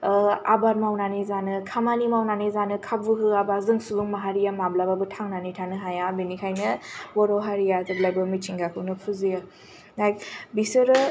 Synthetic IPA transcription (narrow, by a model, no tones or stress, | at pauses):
a̰baɾmawnanizanɯkʰamanimawnanezanɯkʰab̚bɯɦɯabazɯŋsubɯŋmaɦaɾijamablababɯtʰaŋnanitʰanɯɦajabenikʰajnɯbɔɾɔɦaɾijazɯblajbɯmit͡ʃʰiŋɡakʰɯwnɯpʰuzijɯ | lajk̚bisɯɾɯ